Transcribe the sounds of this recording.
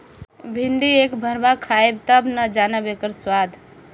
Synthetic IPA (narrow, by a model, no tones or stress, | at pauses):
bʱɪɳɖiekbʱəɾbakʰaːeb̚t̪əbnəd͡ʒaːnəbekəɾswaːd̪ʱ